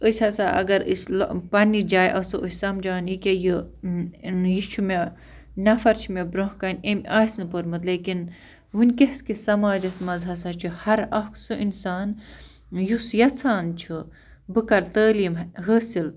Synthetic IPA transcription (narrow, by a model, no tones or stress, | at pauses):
əsʲɐsaʔɐ̰ɡɐɾḭslpɐnid͡ʒaːjʔɐsɨʔusʲsɐmd͡ʒaːnikʲejɨ | jit͡ʃʰume | nɐfɐɾt͡ʃʰimebɾɐ̃ɦkɐnʲemʔaːsnɨpəɾmɨt̪leːkin | ʋɨnʲkeskisɐmaːd͡ʒɐsmɐzɦɐsɐt͡ʃʰuhɐɾɐksɨʔinsaːn | jusjɐt͡sʰaːnt͡ʃʰɨ | bɨkɐɾt̪əːliːmɦəːsil